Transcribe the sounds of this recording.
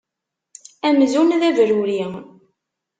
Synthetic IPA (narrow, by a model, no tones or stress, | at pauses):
æmzunðævɾuɾi